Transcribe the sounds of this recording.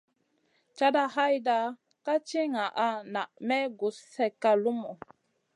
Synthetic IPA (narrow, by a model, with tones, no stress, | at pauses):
t͡ʃa˦da˦ɦa˦jda˦ | ka˦t͡ʃi˦ŋa˨ʔa˦na˨ʔmɛ˦ɡu˨ssɛ˨kːa˦lu˦mɔ˨